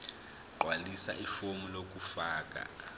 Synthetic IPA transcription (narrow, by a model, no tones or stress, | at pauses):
ǃwalisa̰ʔifomulok̬ʼufaːk̬ʼa̰